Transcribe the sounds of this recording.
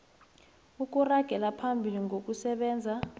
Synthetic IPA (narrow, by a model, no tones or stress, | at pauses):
uk̬ʼuraɡ̥ʱɛlapʰambʱiliŋʱok̬ʼusɛɓɛːnd͡zʱa